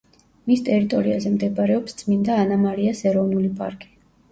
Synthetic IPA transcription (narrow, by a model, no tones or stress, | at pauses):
mist̪ʼɛɾit̪ʼɔɾiazɛmd̪ɛbʼaɾɛɔpst̪sʰʼmind̪aːnamaɾiasɛɾɔvnulipʼa̰ɾkʼi̥